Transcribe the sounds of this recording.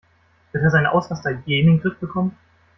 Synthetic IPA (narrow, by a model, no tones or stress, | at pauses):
v̥ɪɐteːɐzaɪnʔa̰ʊsʁastɐɡeːmɪŋdʁɪt̚b̥əkʰɔmən